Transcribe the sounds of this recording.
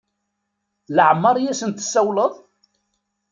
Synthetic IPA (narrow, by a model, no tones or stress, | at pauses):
ləʕəmːɑɾˤjæsənt̪ə̥sːæwləðˤ